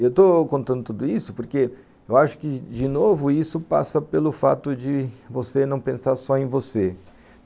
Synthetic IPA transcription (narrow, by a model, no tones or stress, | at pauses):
ewt̪okõnt̪ɐ̃nd̪ʊt̪ud̪ʊisʊpoɾke | ewaʃʊ̥kɪd͡ʒɪnovʊisʊpa̰sɐpelʊfa̰t̪ʊd͡ʒɪvosenɐ̃w̃pẽsaɾsɔẽj̃vose